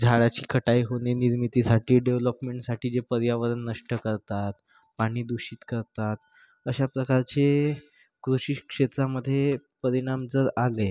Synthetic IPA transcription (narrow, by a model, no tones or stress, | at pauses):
d͡zʱaɭat͡ɕiːkʰəʈajɦoneniɾmit̪isaʈiːɖeʋləpmeɳʈsaʈiːd͡ʑepəɾjaʋəɾənːəʂʈəkəɾt̪at̪ | paɽ̃iːd̪uɕiːt̪kəɾt̪at̪ | əɕapɾəkaɾt͡se | kɾuɕikʂet̪ɾaməd̪ʱːjepəɾiɽ̃amd͡zəɾale